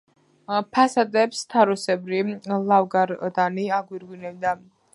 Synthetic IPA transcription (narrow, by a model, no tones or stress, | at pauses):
pʰasad̪ɛpst̪ʰaɾusɛbɾilˠavɡaɾd̪aniaɡwiɾɡwinɛbd̪a